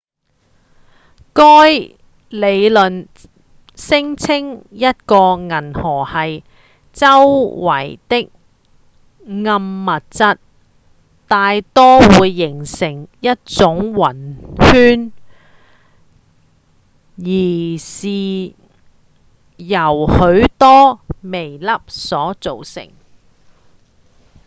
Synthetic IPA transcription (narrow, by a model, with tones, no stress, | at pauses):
kɔː˥j | le˨˧jlɵ˨n | sɪ˥ŋt͡sʰɪ˥ŋjɐ˥t̚kɔː˧ŋɐ˨˩nhɔː˨˩hɐ˨j | t͡sɐ˥wwɐ̰˨˩jt̪ɪ˥k̚ | ŋɐ˧mːɐ˨t̚t͡sɐ˥t̚ | t̪aː˨jt̪ɔː˥wuː˨˧jːɪ˨˩ŋsɪ˨˩ŋjɐ˥t̚t͡sʊ˨˥ŋwɐ˨˩nhyː˥n | jiː˨˩siː˨˩ | jɐ˨˩whɵ˨˥ɥt̪ɔː˥me˨˩jlɐ˥p̚sɔː˨˥t͡so˨wsɪ̰˨˩ŋ